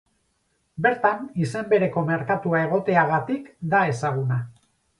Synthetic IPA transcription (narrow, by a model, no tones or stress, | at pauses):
be̞ɾt̪anise̞mbe̞ɾe̞ko̞me̞ɾkat̪uae̞ɣ̞o̞t̪e̞aɣ̞at̪ikd̪ae̞saɣ̞una